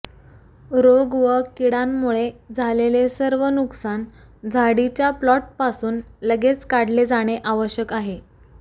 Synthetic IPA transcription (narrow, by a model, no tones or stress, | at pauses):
ɾoɡʋəkiɽamːuɭed͡zʱalelesəɾʋənuksan | d͡zʱaɽit͡ɕjaplɔʈ̚pasuːnləɡet͡skaɽ̤led͡zaɽ̃eʔaʋəɕjəkaɦe